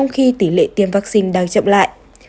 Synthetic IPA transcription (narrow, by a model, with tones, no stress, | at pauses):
wŋ͡mxi˧t̪i˧˩lḛ˧˨t̪i˨˩əmvaː˦˥k̚si˧nɗa˨˩wt͡ɕə̰˧˨wŋ͡mla̰ː˧˨jʔ